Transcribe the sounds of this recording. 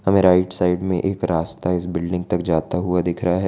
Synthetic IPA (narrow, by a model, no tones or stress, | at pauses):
ɦɐmẽɾaːɪʈsaːɪɖmḛ̃ʔeːkɾaːst̪aɪsbɪlɖɪ̃ŋɡ̚t̪ɐkd͡ʒaːt̪aɦuad̪ɪkʰɾɐɦaɦɛː